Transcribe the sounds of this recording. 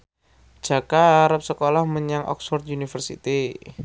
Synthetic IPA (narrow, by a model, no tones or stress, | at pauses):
d͡ʒ̥a̤kaɾəp̚səkolahməɲaŋʔɔ̰ksfɔrt̪̚unifərsḭt̪i